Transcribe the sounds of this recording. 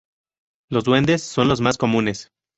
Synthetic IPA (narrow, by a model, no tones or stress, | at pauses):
lo̞zðwe̞nd̪e̞sːo̞nlo̞zmasko̞mũne̞s